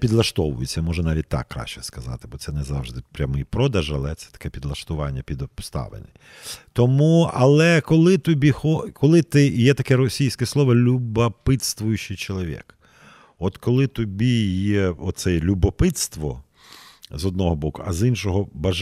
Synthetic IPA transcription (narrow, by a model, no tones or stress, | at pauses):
pʲid̪lˠɐʃt̪ɔʋʊjʊt͡sʲːɐmɔʒɛnɑʋʲit̚ʲt̪ɑ̰kːɾɑ̰ʃt͡ʃɛ̥skɐzɑ̰t̪ɪbɔt̪sɛnɛzɑwʒd̪ɪpɾʲamɪjpɾɔd̪ɐʒɐlˠɛt̪sɛ̥t̪ɐ̥kɛpʲid̪lˠɐʃt̪ʊʋɑnʲːɐpʲid̪ɔpst̪ɑ̰ʋḛnɪ | t̪ɔmuɐlˠɛkɔlˠɪt̪ɔbʲixɔkɔlˠɪt̪ɪjɛt̪ɐkɛɾɔsʲijsʲkɛslˠɔʋɔlʲubɐpɪt̪st̪ʋʊjʊt͡ʃɪjt͡ʃɔlˠɔʋʲḭk | ɔt̪kɔlˠɪt̪ɔbʲijɛɔt̪t̪sɛlʲubɔpɪt̪st̪ʋɔ | zɔd̪̚nɔɦɔbɔkʊɐzinʃɔɦɔbɐ